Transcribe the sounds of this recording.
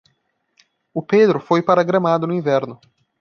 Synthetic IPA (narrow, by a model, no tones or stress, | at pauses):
ʊped̪ɾʊfojpaɾɐɡɾɐ̃mad̪ʊnʊĩvɛɾnʊ